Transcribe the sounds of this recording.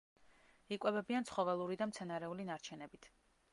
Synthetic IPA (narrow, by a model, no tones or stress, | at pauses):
ikʼwɛbɛbiant̪sʰχɔvɛlˠuɾid̪amt̪sʰɛnaɾɛulinaɾt͡ʃʰɛnɛbit̪ʰ